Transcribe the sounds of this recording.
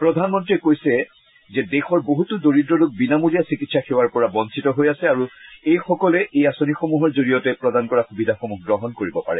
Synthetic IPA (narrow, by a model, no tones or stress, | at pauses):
pɹɔdʱanmɔntɹiɛkojsɛ | zɛdexɔɹboɦutʊdoɹidɹɔluk̚binamuɹijasikitsaxewaɹpɔɹabɔnsʰitɔɦojasɛaɹuejxɔkɔlɛʔejasonixomuɦɔɹzoɹijɔtɛpɹɔdankɔɹaxubidʱaxomukɡɹɔɦɔnkoɹibɔpa̰ɹɛ